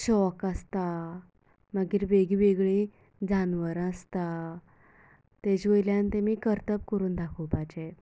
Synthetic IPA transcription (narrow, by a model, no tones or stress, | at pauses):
ɕɔkast̪a | məɡiːɾʋeɡiʋeɡɭi | d͡zanʋəɾəst̪a | t̪ed͡ʑʋəjljãnt̪emiːkəɾt̪əp̚kəɾuːnd̪akʰəwpad͡ʑe